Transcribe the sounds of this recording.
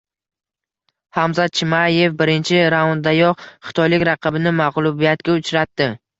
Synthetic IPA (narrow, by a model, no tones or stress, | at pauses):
hamzat̪̚t͡ʃʰɪmaje̞fbɪɾɪnt͡ʃʰɪɾaond̪ajɒqχɨ̥t̪ʰɒjlɪkʲɾɑqʰɑbɪnɪmaʁlˠʊbijat̪kʲaʊt͡ʃɾat̪ːɪ